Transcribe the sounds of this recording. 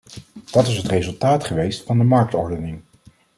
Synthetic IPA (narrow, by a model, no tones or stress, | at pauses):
d̥ɑtɪsɦətrejzɵlˠtaːtχəʋejstfɑndəmɑɹk̚tɔ̰ɹdənɪŋ